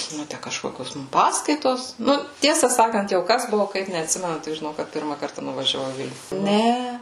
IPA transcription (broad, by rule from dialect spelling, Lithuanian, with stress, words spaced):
ˈnʊ ˈtʲæ kɐʃˈkoːkʲoːs ˈmʊm ˈpɑːskɐɪtoːs ˈnʊ ˈtʲiɛsɐ ˈsɑːkɐnt jɛʊ ˈkɐs ˈbʊʋʊ ˈkɐɪp nʲɛɐtʲˈsʲɪmʲɛnʊ tʲɪk ʒʲɪˈnɐʊ kɐt ˈpʲɪrmɐ ˈkɐrtɐ nʊʋɐʒʲɛˈʋɐʊ ɪ ˈʋʲɪlʲnʲʊ ˈnʲɛ